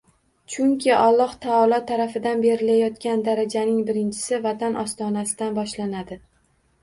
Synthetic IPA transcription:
t͡ʃʰʊŋkʲʰɪʔɒlˠːɒht̪ʰaɒlˠɒt̪ʰːaɾafɪd̪anbe̞ɾɪlajɒt̪kʲand̪aɾad͡ʒanɪŋbɪɾɪnt͡ʃʰɪ̥sɪvat̪ʰanʔɒst̪ɒnasɪd̪anbɒʃlanad̪ɪ

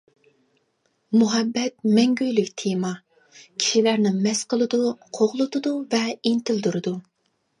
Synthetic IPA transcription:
muɦɛbːɛt̪̚mɛŋɡʲyjlykʲt̪ʰemɑ | kʲʰi̥ʃilæɾnɪmɛsqəlˠɨd̪uqʰoʁlˠɨt̪ʊd̪uvɛint̪ɪld̪uɾɨd̪u

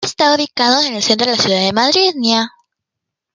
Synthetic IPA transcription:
est̪auβikaðoene̞lse̞nt̪ɾo̞asjuðaðe̞maðɾiðnja

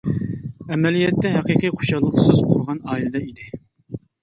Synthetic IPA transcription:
ɛmɛlijɛt̪ːɛɦæqiqijqʰo̥ʃɑlˠːəqsɨz̥qʰoɾʁɑnɑːilɨd̪ɛid̪ɪ

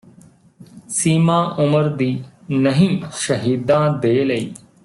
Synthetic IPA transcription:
siːmãːʔʊməɾd̪iːnəɦĩːʃəɦiːd̪ãːd̪eːləiː

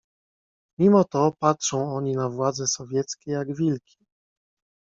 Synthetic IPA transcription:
mʲimɔt̪ɔpatʂɔ̃w̃ɔɲinavwad̪zɛsɔvʲjɛt̪skʲɛjaɡvʲilkʲi̥

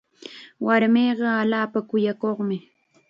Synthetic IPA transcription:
waɾmeːɢɑaʎaːpakʊjakoχmɪ

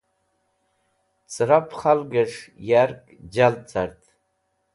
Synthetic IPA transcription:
t͡sʰʼɨɾapʰχalɡaʂjarkʼd͡ʒalt͡sʰartʼ

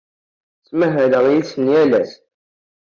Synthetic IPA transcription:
t͡sːməɦæləʁjisənjælæs

